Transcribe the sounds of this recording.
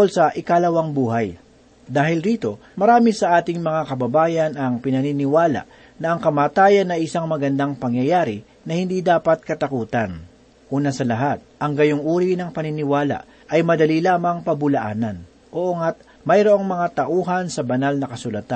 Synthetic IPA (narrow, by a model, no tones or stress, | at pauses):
olsɐʔɪkalɐwɐŋbuːɦaj | d̪aːhɪlɾiːt̪o̞ | mɐɾaːmɪsɐʔaːt̪ɪŋmɐŋakɐbɐbaːjɐnɐŋpɪnɐninɪwaːla̰ʔ | nɐʔɐŋkɐmaːt̪aːjɐnːɐʔɪsaŋmɐɡɐnd̪aŋpɐŋjɐjaːɾɪ | nɐhɪnd̪iːd̪aːpɐt̪̚kɐt̪ɐkuːt̪ɐn | ʔuːnɐsɐlɐɦat̪̚ʔɐŋɡɐjoŋʔuːɾinɐŋpɐnɪnɪwaːla̰ʔ | ʔɐjmɐd̪ɐlilaːmɐŋpɐbʊlɐʔaːnɐn | ʔoʔoŋat̪̚ | mɐjɾoʔoŋmɐŋat̪ɐʔuːɦɐnsɐbɐnalnɐkɐsʊlɐt̪a